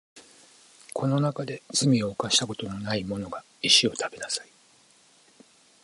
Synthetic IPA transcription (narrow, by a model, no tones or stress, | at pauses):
kʰo̞no̞nakad̪e̞t͡sɨmʲio̞ːkaɕi̥t̪ako̞t̪o̞no̞naimo̞no̞ɡa | iɕio̞t̪ʰabe̞nasai̥